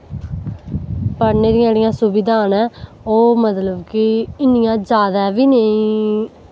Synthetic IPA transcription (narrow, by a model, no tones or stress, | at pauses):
pəɾneːɾɪjãɽɪjãːsʊbɪd̪aːnɛ̃ː | oːmət̪ləbkɪɪnɪjãːd͡ʒaːd̪aːʋiːnəĩː